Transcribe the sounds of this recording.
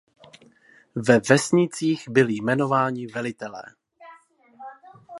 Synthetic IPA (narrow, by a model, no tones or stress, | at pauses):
vɛvɛsɲɪt͡siːɣbɪlɪjmɛno̞vaːɲɪvɛlɪt̪ɛlɛ̰ː